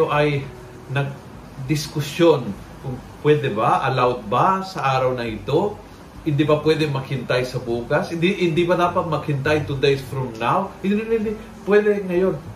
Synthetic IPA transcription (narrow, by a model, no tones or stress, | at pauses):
oʔɐj | nɐɡ̚ | d̪ɪskʊsjo̞n | kʊŋpwɛːd̪ɛbaʔɐlawt̪̚basɐʔaːɾɐwnɐʔɪt̪o̞ | hɪnd̪ibɐpwɛːd̪ɛmɐɡhɪnt̪ajsɐbuːkɐshɪnd̪ihɪnd̪ibɐd̪aːpɐt̪̚mɐɡhɪnt̪ajt̪ud̪ejsfɾʊmnawhɪnɪnɪnɪ | pwɛːd̪ɛŋɐjo̞n